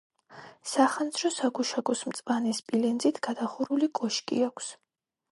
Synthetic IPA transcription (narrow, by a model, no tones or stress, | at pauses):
saχand̪zɾɔsaɡuʃaɡɔsmt̪sʼvʼanispʼilɛnd̪zit̪ʰɡ̥ad̪aχuɾulikʼɔʃkʼḭakʷʰs